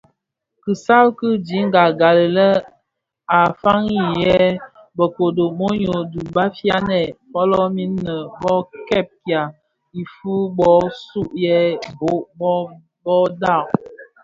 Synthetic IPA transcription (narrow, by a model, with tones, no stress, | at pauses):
kə˨sa˦lkə˦d͡ʒi˨˦ŋ˦ɡa˨ɡa˨lə˨lə˦ | a˨fa˦ŋi˦˨jɛ˦ | bə˨ko˨do˨mo˦ɲo˨du˨ba˦fja˦nɛ˦˨pɔ˦lɔ˦mi˦n˦nə˨bɔ˦kɛ˦˨p̚kja˨ | i˨fu˦bɔ˨˦su˦ʔjɛ˦bo˨˦ʔb | bɔ˦da˦˨